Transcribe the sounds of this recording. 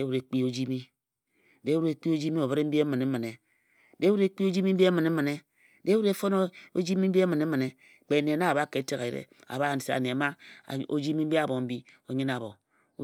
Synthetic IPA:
e˦wu˦ɾe˨˦k͡pi˦o˦d͡ʒi˦mi˦ | de˦wu˦ɾe˨k͡pi˦o˦d͡ʒi˦mi˦o˨βe˦ɾe˦m̩˦bi˦e˦mɨ˨ne˨m̩˦m˨ne˨ | de˦wu˦ɾe˦k͡pi˦o˦d͡ʒi˦mi˦m̩˦bi˦e˦mɨ˨ne˦m̩˦mɨ˨ne˦ | de˦wu˦ɾe˦fo˦no˦o˦d͡ʒi˦mi˦m̩˦bi˦e˦mɨ˨ne˦mɨ˨ne˨ | k͡pe˨ne˨na˦a˨βa˦ke˨˦te˦ɣe˨ɾḛ˨a̰˨βa˦˨n̩˨se˨˦a̰˨ne˨a˨ma̰˦˨o̰˦d͡ʒi˦mi˦m̩˦bi˦a˦bo˨m̩˦bi˦o˨ɲi˦na˨βo˨˦

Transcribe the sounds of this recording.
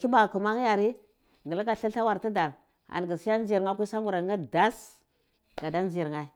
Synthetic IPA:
ki˦ba˨ku˨ma˦ŋ˦ja˨ɾi˦ | ɡə˨la˦ka˦ɬa˦ɬa˦wa˨ɾti˦da˨ɾ | a̰˨n˨ɡi˨si˦ja˦n˦d͡ʒi˨ɾŋa˦kʷi˦sa˦mu˨ɾa˨˦ɡa˦da˦s | ɡa˨da˦n˦d͡ʒi˨ɾŋa˦i˦

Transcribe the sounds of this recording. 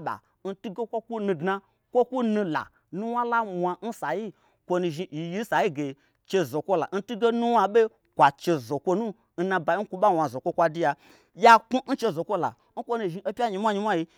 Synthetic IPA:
ɓa̰˨ | n̩˦tu˦ɡe˦kʷo˦kʷu˦nũ˧dna˧ | kʷo˦ku˦nũ˧la̰˨ | nu˦wa˦la˦mʷ˧a˧n̩˦sa˨ji˦ | kʷo˧nu˧ʒi˧i˨ji˦n̩˦sa˨ji˦ɡe˨ | t͡ʃe˧zo˨kʷo˦la̰˨n̩˦tu˦ɡe˦nu˦wa˧ɓe˦ | kʷa˨t͡ʃe˧zo˨kʷo˧nu˦ | n̩˦nã˧ba˨ji˦ku˦ɓa˦wʷa˨zo˨kʷo˦kʷa˧di˧ja˧ | ja˦ku˦n̩˦t͡ʃe˧zo˨kʷo˦la̰˨ | n̩˦kʷo˦nũ˧ʒi˧e˦pʲa˦ɲi˧mʷa˦ɲi˧mʷ˦a˦ji˧

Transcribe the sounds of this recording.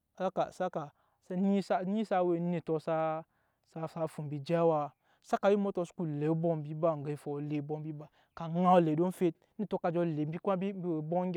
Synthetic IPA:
a˦ka̰˨sa˦ka˨ | sa˦ni˦sa˦ni˦sa˧we˦n˦ni˨to˧sa˦ | sa˧sa˧fu˨mbi˨d͡ʒa˦wa˧ | sa˦ka˨ji˦mo˦to˧su̥˦ku˨le˨˦bɔ˦mbi˦ba˦ŋ˨ɡə˨i˦˨fo˨le˨˦bo˧mbi˦ba˦ | ka˨ŋa˦wle˨do˦n˦fe˦t̚i˦˨to˧˦ka˨d͡ʒo˧˨le˨m˦bi˦kʷa˦bi˦bi˦we˨bo˦ŋʲ˦

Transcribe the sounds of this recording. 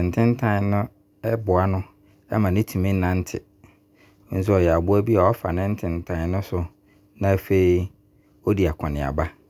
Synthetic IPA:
n̩˨tʰɪ̃˦n˦tʰã˦˨˦nʊ̃˦ | ɛ˦bʊ˨a˨nʊ̃˦ | ɛ̰˦mã˨nɪ̃˦tʰu˨mĩ˦n̩˦nã˦n̩˦tʰɪ˨˦ | n̩˦s̬ʊ˦ɔ˨jɛ˨a˨bʊ˦æ˦bi˦a˨ɔ˦fa̰˨nɪ̃˦n̩˦tʰɪ̃˨n˨tʰã˨˦nʊ̃˦sʊ˨ | nã˦˨fe˦i˦ | o˦di˨a˨kʰɔ̃˨nɪ̃˨a̰˨ba˦

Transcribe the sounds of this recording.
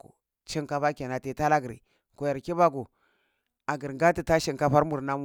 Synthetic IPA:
o˨ | t͡ʃi˦ŋka˦ɸa˦ke˨na˨te˨ta˦la˦ɡɾḭ˨ | ko˨ja˨ɾki˦ba˦ku˨ | a˨ɡi˨ɾɡa˦ti˨ta˦ʃi˦˨ŋka˦ɸa˦ɾmu˨ɾna˦m˦

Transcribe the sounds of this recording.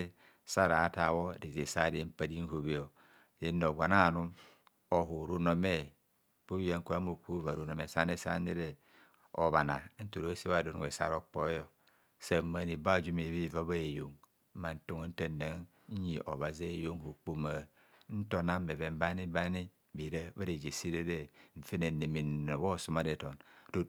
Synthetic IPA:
sa˦ɾa˨˦ta˨wo˦˨di˨ze˨sa˦˨de˨˦m̩˦pa˨di˦n̩˦ho˨βi˨o˨ | je˨˦nːo˨ɡʷa˨na˦˨nu˦m | o˨ɦu˨ɾu˦no˦me˦ | b̥u˦a˨˦ŋ̩˦ku˦a˦mo˨ku˦va˨ɾu˨no˨me˨˦sa˦ne˦sa̰˦ni˦ɾe˨ | o̰˨βa˨na̰˨˦n̩˦tu˨ɾo˦se˦wa˨do˨nu˨ḛ˨sa̰˦ɾo˦k͡po˦jo˨ | sa˦˨˦ma˨ni˨ba˦˨d͡ʒu˦me˨βi˦˨va˦βa˦e˨jo˨ŋ | m̩˦ma˨n̩˨to˦ŋ˦n̩˦teː˦˨a˨˦ŋ | ɲ˦ɲi˨ʔo̰˨βa˨ze˦˨jo˦ŋhu˨k͡pu˦ma˨ | n̩˦to˨na˦mːe˨βe˨m̩˦ba˦ni˦ba˦ni˦ | bi˨ɾa˦βa˦ɾe˨d͡ʒe˨si˦ɾe˦de˦ɱ̩˨fe˦ne˨ne˨mi˨n˨o˨βo˦˨su˦ma˦de˨to˨ndo˦

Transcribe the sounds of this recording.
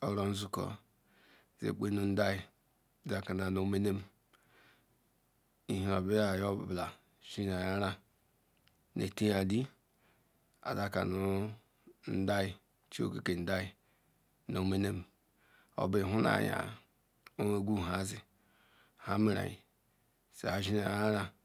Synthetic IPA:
o˨ɾo˨n̩˦zu˦ko̰˨ | zḛ˨k͡pe˦nu˨n̩˦da˦ji˨ | da˨ka˨na˨no˨˦me˦ne˦m˨ | i˨hi˨o˨bi˦ja˨jo˦˨bla˨ | ʃi˦n˨a˨ja˦ɾa˦ | nḛ˨ti˦ja˨di˦ | a̰˨za˦ka̰˨nu˨ | n̩˦da˦ji˨ | t͡ʃi˦o̰˦˨ke˨ke˨n̩˨da˦ji˨ | no˨˦me˦ne˦m˨ | o̰˨be˨ɦu˦na̰˨ja̰˨ | o˦me˨ɡu˦˨ɦa˨˦zi˦ | ha˦mi˨ɾa̰˨jḭ˨ | sḛ˨a˨ʒi˦na˨ja˦ɾa˦

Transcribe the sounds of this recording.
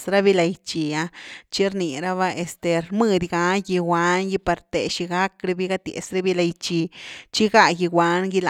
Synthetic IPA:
sɾa˦bi˦la˧jt͡ʃi˧a˧t͡ʃi˦ɾni˨ɾa˦βa˦ʔe˧st̪e˧ɾmɨ˧d̪ɡa˧˦ji˧wa˧˦nji˧pa˧ɾt̪ḛ˨ʃi˧ɡa˦kɾe˧bi˦ɡa˦t̪jḛ˨sɾa˦bi˦la˧jt͡ʃi˧t͡ʃi˦ɡa˦ji˧wa˧˦nɡi˦la˨

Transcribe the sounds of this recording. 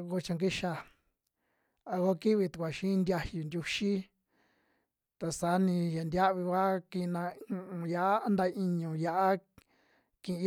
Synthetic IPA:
ko˧t͡ʃã˧ŋɡi˦ʃa˧˨ | a˧ɣo˦ki˦βi˧t̪u˨kʷa˨ʃĩ˦˧nd̪ʲa˧hju˨nd̪ʲu˧ʃi˦ | t̪a˧sa˨˦nĩ˧ja˨nd̪ʲa˦ʔβi˧βa˦kĩ˧nã˧ũ˧ʔũ˨ja˧˨ʔa˦a˦nd̪a˧i˧ɲũ˨ja˧ʔa˦ | kĩ˧ĩ˧˦

